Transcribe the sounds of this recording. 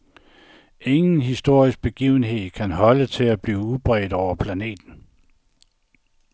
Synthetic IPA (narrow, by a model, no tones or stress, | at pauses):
e̝ŋn̩ɦisd̥o̝ɐ̰isɡ̥̚b̥e̝ɡ̥ḭːʊn̩ɦe̝ð̰ˠkʰænɦɒ̽lət͡sʰe̝læb̥liːʊub̥ʁɛ̰d̥ɒʊ̰ɐpʰlæne̝̰ːd̥n̩